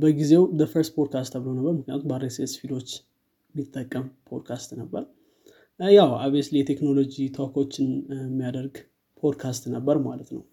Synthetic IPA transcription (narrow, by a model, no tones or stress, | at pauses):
bəɡize̞wd̪əfəɾst̪pʰod̪̚kʰast̪aβlownəbːəɾmɨknijat̪umbaɾesesfilo̞t͡ʃː | mit̪ʼːəkʼːəmpʰo̞̰d̪kʰast̪nəbːəɾ | jawabeslijɛt̪ʰe̞kno̞lo̞d͡ʒit̪ʰokʰot͡ʃːɪnmːijad̪əɾɡ | pʰo̞d̪kʰast̪nəbːəɾmalət̪nəw